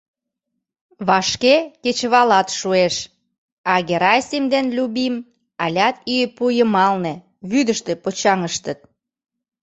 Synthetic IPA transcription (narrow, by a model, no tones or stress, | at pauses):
βɑʃkeket͡ɕβɑlɑt̪ʃueʃ | ɑɣeɾɑjsʲimd̪enlʲuβim | ɑlʲɑt̪ipujəmɑlnĕ | βyd̪əʃt̪ĕpot͡ɕɑŋəʃt̪ət̪̚